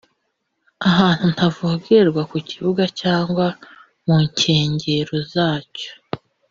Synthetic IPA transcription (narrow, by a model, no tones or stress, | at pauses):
aɦaːn̥hun̥tʰavuɡeɾɡwakuciβuɡacaːŋɡwa | muɲcʰe̞ːɲɟeɾozaːco̥